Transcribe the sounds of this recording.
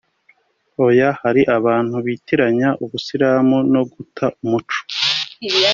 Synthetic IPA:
ojahaɾiʔaβaːn̥huβiːtiɾaɲaʔuβusiɾaːmuno̞ɡutʰaʔumut͡ʃo̥

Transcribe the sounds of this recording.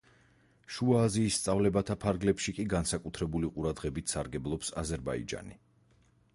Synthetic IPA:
ʃuaːziːsːt̪sʼavlɛbat̪ʰapʰaɾɡlɛpʃikʼiɡansakʼut̪ʰɾɛbuliqʼuɾad̪ʁɛbit̪ʰsaɾɡɛblˠɔpsa̰zɛɾba̰ḭd͡ʒa̰ni

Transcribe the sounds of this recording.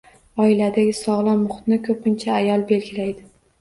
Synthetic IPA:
ɒɪlad̪aɡʲɪsɒʁlˠɒmʊχt̪nɪkʰɵpʰɪnt͡ʃʰaːjɒlˠbe̞lɡʲɪlajd̪ɪ

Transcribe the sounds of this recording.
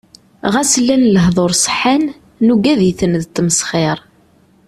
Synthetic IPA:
ʁæsəlːænləɦðˤoɾˤsˤə̥ħan | nuɡæðjəθənðt̪ːməsχɪɾˤ

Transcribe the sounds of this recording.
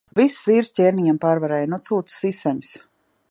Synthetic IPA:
vissvʲiːɾstʲeːɾniɲampaːɾvaɾɛːjnut̪suːt̪ssisaɲu̥s

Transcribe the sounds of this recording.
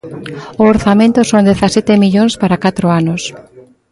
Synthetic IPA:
ʊoɾθamẽnt̪ʊsõnd̪eθasɛt̪emiʎoŋspaɾakat̪ɾʊanʊs

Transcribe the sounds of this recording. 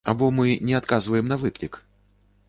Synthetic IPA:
abɔmɨnʲɛat̪kazvɐjɛmnɐvɨklʲik

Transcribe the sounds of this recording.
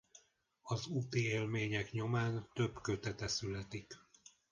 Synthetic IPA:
ɒzut̪ieːlmeːɲɛkɲo̞maːnt̪ø̞bkø̞t̪ɛt̪ɛsylɛt̪ik

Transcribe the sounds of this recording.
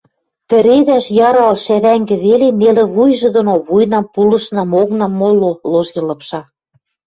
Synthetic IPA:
t̪ɘ̆ɾed̪æʃjɑɾɑlʃæβæŋɡɘ̆βelenelɘ̆βujʒɤ̆d̪onoβujnɑmpulɤ̆ʃnɑmoɣnɑmːololoʒɡĕlɤ̆pʃɑ

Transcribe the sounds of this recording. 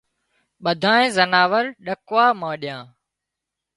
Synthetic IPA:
ɓəd̪ʱãːẽːzənaːʋəɾɗəkʋaːmãːɗɪjãː

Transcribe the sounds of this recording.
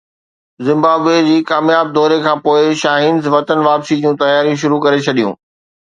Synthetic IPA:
zɪ̃mbaːbʋed͡ʑiːkaːmjaːb̚d̪ɔːɾekʰãːpoːɪʃaːɦiːnzʋɐt̪ənʋaːpsid͡ʑũːt̪ɐjaːɾijũʃ̬ʊɾukɐɾet͡ɕʰɐɗijṵ̃ː

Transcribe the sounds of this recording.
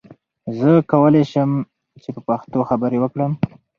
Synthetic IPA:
zəkawəleʃəm | t͡ʃepəpaxt̪oxabəɾewəkɽəm

